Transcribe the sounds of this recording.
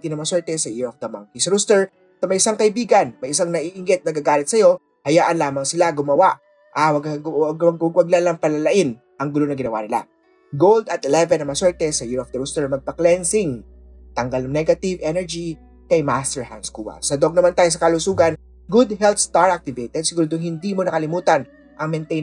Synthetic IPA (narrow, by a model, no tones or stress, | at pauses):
it̪inɐmɐswɛɹt̪ɛsɐjɪɹɔfd̪ɐmɐ̰ŋkisɐɾust̪ɛɹ | somɐjʔɪsaŋkɐʔɪbiːɡɐnmɐjʔɪsaŋnɐʔiʔɪŋɡɛt̪̚nɐɡaɡaːlɪt̪̚sɐjo̞ | hɐjaːʔɐnlaːmɐŋsɪlaɡʊmɐwaʔ | ʔawɐɡɐɡɐɡɐɡwɐɡ̚lalɐŋpɐlɐlɐʔɪn | ʔɐŋɡʊlo̞nɐŋɡɪnɐwa̰nɪla̰ | ɡowld̪ɐt̪̚ɛlɛvɛnɐŋmɐswɛɹt̪ɛsɐjɪɹɐfd̪ɐɾust̪ɛɹmɐɡ̚pɐklɛnsɪŋ | t̪ɐŋɡalnɐŋnɛɡɐt̪ɪvɛnɛɹd͡ʒi | kɐjmast̪ɛɹha̰nd̪skṵbɐ̰sɐd̪oɡ̚nɐmant̪aːjos̬ɐkɐlʊsuːɡɐn | ɡud̪hɛlt̪st̪aɹʔak̚t̪ɪvejt̪ɛd̪̚sɪɡuːɾod̪ʊŋhɪnd̪imo̞nɐkɐlɪmuːt̪ɐn | ʔɐŋmɛnt̪ej